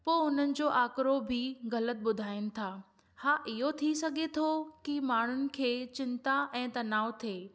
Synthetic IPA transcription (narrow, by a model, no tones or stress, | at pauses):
poːɦʊnənɪ̆d͡ʑoːʔaːkɾobʱiɣɐlət̪̚ɓʊd̪ʱaːɪnɪ̆t̪ʰaː | haːʔɪɦot̪ʰisɐɡʱet̪ʰokimaːɳ̤ʊnɪ̆kʰeːt͡ɕɪ̃nt̪aʔɛ̃ːt̪ɐnaːʋt̪ʰeː